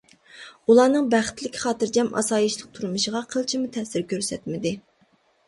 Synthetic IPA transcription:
ulˠɑːnɨŋbæχɪ̥t̪lɪkʲʰi̥χɑːt̪ɨɾd͡ʒɛmɑ̰sɑːjiʃlˠəq̚t̪ʰuɾɨmɨʃəʁɑqʰəlˠt͡ʃʰimut̪ʰɛsɪɾkʲʰøɾsɛt̪mɪd̪ɪ

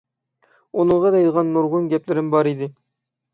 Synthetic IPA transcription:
unɨɴʁɑd̪ɑjd̪ʁɑnːuɾʁʊnɡʲɛplɪɾɪmbɑɾid̪ɪ

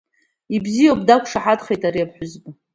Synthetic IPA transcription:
ibzijawp̚ʼdakʷʰʼʂaħadχejtʼaɾiapʰħʷᶣʊzbʼa

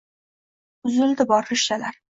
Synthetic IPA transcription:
ʊzɪld̪ɪbɒɾɪʃalaɾ

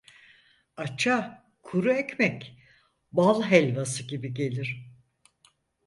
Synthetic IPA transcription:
at͡ʃʰa | kʰuɾuɛcmɛc | balˠɦɛlʲvasɯɟibiɟe̞lʲiɾ̥

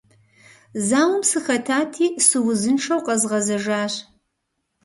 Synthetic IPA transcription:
zaːwʊmsɨxɐtʰaːtʰiːsɨwʊzɨnʂɐwqʼɐzʁɐzɐʒaːɕ

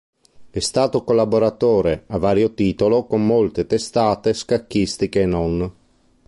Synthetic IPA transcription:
ɛst̪aːt̪okolːaboɾat̪oːɾeavːaːɾjot̪iːt̪olokomːolt̪et̪est̪aːt̪eskakːist̪ikeːnːɔn

